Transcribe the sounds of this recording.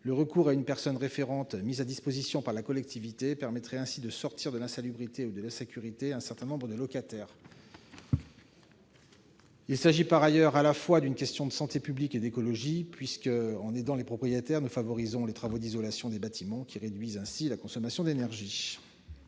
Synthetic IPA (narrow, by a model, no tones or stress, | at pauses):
ləʁəkuʁaynpɛʁsɔnʁefeʁɑ̃t̪mizad̪ispozisjɔ̃paʁlakɔlɛk̚t̪ʰivit̪epɛʁmɛt̪χɛɛ̃sid̪əsɔʁt̪ʰiʁd̪əlɛ̃salybʁit̪eud̪əlasekʲyʁit̪eɛ̃sɛʁt̪ɛ̃nɔ̃bʁəd̪əlɔkat̪ɛːʁ | ilsaʒipaʁajœʁalafwad̪ynkʲɛst̪jɔ̃d̪əsɑ̃t̪epybliked̪ekɔlɔʒipɥiskəɑ̃ned̪ɑ̃lepχɔpχijet̪ɛʁnufavɔʁizɔ̃let̪χavod̪izɔlasjɔ̃d̪ebat̪ʰimɑ̃kʲiʁed̪ɥizɛ̃silakɔ̃sɔmasjɔ̃d̪enɛʁʒi